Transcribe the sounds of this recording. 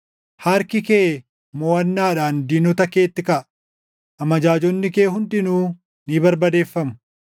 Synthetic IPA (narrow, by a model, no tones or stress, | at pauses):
hɐɾkɪkeː | mɔːɐnːaːᶑaːnd̪iːnɔt̪ɐke̞ːt̪ːɪkɐʔɐ | ʔɐmɐd͡ʒaːd͡ʒɔnːɪke̞ːɦʊnd̪ɪnuː | niːbɐɾbɐd̪e̞ːfːɐmʊ̥